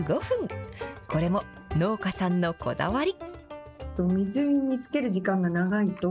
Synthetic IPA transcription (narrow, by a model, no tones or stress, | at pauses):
ɡo̞ɸɯ̟̃ŋko̞ɾe̞mo̞no̞ːkasãnːo̞kʰo̞̰d̪a̰βaɾʲi | t̪omʲizɨiɲit͡sɨ̥ke̞ɾɯ̟ʑikãŋɡanaɡait̪o